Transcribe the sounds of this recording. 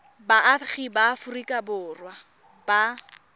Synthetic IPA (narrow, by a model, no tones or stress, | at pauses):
baʔːχibafʊrikʼabʊːrwa | ba